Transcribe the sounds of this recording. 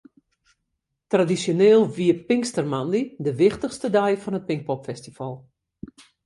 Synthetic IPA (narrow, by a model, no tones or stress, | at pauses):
tradisjoneːlˠʋiəpɪŋkstərmanlidəʋɪxtəxstədɛjfɔnɦət̚pɪŋk̚pɔpfɛstifɔlˠ